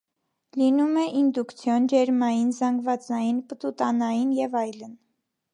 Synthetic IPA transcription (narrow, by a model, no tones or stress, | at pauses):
linumɛʔind̪ukt͡sʰjɔnd͡ʒɛɾmɑjinzɑŋɡvɑt͡sɑjinpət̪ut̪ɑnɑjinjɛvɑjlən